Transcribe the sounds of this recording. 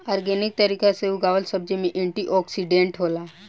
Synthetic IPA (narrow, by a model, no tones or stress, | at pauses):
aːɾɡeːnɪk̚t̪əɾiːkaseuɡaːʋəlsəb̚d͡ʒimẽʔẽɳʈiʔɔːksiɖẽɳʈɦoːlaɦɛ